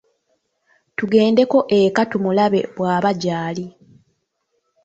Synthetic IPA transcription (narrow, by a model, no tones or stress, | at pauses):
tuɡe̞ːnde̞ko̞ʔekatumulaβe̞̰βwaːβaɟaːli